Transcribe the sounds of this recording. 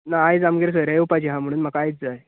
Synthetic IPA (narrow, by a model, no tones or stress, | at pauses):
naːjd͡zamɡeɾs̬əɾajupat͡ɕiɦãm̤əɽ̃uːnmakajt͡sd͡zaj